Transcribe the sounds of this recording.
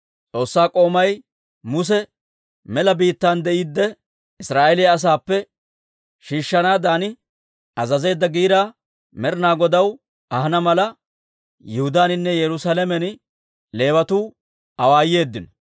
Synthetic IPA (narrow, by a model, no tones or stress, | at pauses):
t͡sʼo̞ːsːaːkʼo̞ːmɐj | mʊs̬ɛ | mɛlɐbiːt̪ːand̪ɛʔiːd̪ːɛ | ɪsɾaːʔɛlɪjɐːs̬aːpːɛ | ʃiːʃːɐnaːd̪aːnɪ | ɐzɐze̞ːd̪ːɐɡiːɾaː | mɛɾɪnaːɡɔd̪ɐw | ɐhɐnɐmɐlɐ | jɛhʊd̪aːnɪnːɛjɛɾʊsalɛmɛn | le̞ːwɐt̪uː | ɐwaːjːe̞ːd̪ːɪnɔ